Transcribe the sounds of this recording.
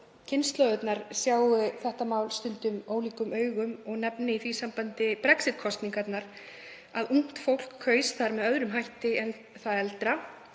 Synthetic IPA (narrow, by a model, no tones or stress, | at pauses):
cʰɪnst̪lœɣʏt̪naɾ̥sjaːwɣʏθɛht̪amaːwlst̪ʏnt̪ʏmoːwliːkʏmʔœːɥɣʏmɔɣnɛpnɪiθvisampant̪ɪpɾɛksɪt̪̚kʰɔst̪niŋkat̪naɾ̥ | aðuŋ̥t̪fowl̥kʰːœːɥsθaɾmɛðœðɾʏmɦajht̪ɪɛn | θaðɛlt̪ɾa